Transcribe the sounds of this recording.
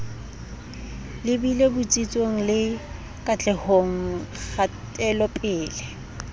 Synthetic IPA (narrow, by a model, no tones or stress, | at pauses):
lɪbilebʊt͡sʼit͡sʼoŋ̩lɪ | kʼat͡ɬʼɛhoŋ̩χa | tʼɛlɔpʼɪːlɛ